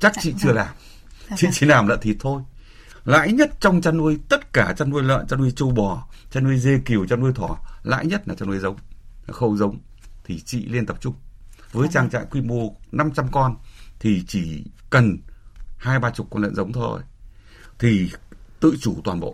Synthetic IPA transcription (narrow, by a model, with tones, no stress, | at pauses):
t͡ɕa˦˥k̚t͡ɕḭ˧˨t͡ɕɨ˧əlaː˨˩m | t͡ɕḭ˧˨t͡ɕḭ˧˨laː˨˩mla̰ː˧˨nt̪ʰi˨˩t̚t̪ʰo˧j | la̰ː˧˥jɲə˦˥t̚t͡ɕɔ˧wŋ͡mt͡ɕaː˧nʔu˧əjt̪ə˦˥t̚kaː˧˩t͡ɕa˧nːu˧əjlə̰ː˧˨nt͡ɕaː˧nu˧əjt͡ɕu˧˩wɓɔ˨˩t͡ɕaː˧nu˧əjze˧ki˨˩əwt͡ɕaː˧nʔu˧əjt̪ʰwɔ˧˩la̰ː˧˥jɲə˦˥t̚laː˨˩t͡ɕa˧nʔu˧əjzə˨˦wŋ͡mxə̰˧˩wzə˨˦wŋ͡m | t̪ʰi˨˩t͡ɕḭ˧˨li˧ənt̪ə˨˩p̚t͡ɕʊ˧ŋ͡mvəː˨˦jt͡ɕaː˧ŋt͡ɕa̰ː˧˨jkwi˧mo˧əna˧mt͡ɕa˧mkɔ˧nt̪ʰi˨˩t͡ɕi˧˩kə˨˩nhaː˧jɓaː˧t͡ɕʊ˨˩k͡p̚kɔ˧nlə̰˧˨nzə˨˦wŋ͡mt̪ʰo̰˧j | t̪ʰi˨˩t̪ɨ̰˧˨t͡ɕu˧˩t̪waː˨˩nɓo̰˧˨